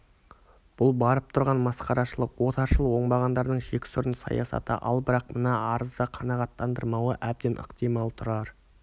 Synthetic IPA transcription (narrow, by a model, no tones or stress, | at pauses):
b̥ʊlˠbɑɾəp̚t̪ʰʊɾʁɑnmɑsqɑɾɑʃəlˠəqwo̞t̪ɑɾʃəlˠəwo̞ɴbɑʁɑnd̪ɑɾd̪əɴʒe̞kʲɪ̥sʊɾənsɑ̰jɑ̰sɑ̰t̪ə̰ʔɑ̰lˠbɪɾɑq̚mənɑɑɾəzd̪ɑqʰɑnɑʁɑt̪ːɑnd̪əɾmɑwəʔæb̚d̪enʔə̰qt̪ijmɑlˠt̪ʰʊɾɑɾ